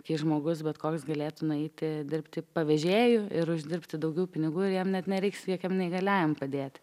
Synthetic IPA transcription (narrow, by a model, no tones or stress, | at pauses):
kʲiːʒmoːɡʊs̬bʲɛt̪koːksɡɐlʲeːt̪ʊnʊɛɪt̪ʲɪd̪ʲɪrpʲt̪ʲɪpɐʋʲɛʒʲeːjʊɪɾʊʒʲd̪ʲɪrpʲt̪ʲɪd̪ɐʊɡʲɛʊpʲɪnʲɪɡuːɪɾjɛmnʲɛt̪nʲɛɾʲɛɪksjɛkʲɛmnʲɛɪɡɐlʲæːjʲɛmpɐd̪ʲeːt̪ʲ